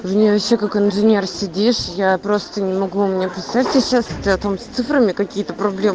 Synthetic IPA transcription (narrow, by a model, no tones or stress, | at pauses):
vnʲevɐɕːekakɪnʐɨnʲe̞rsʲɪdʲiʂjapɾo̞st̪ənʲɪmɐɡumʲɪnʲepʲɪsatʲsʲəɕast̪ʲɨɐt̪omsʲt̪sɨfɾəmʲɪkɐkʲijət̪əpɾɐblʲem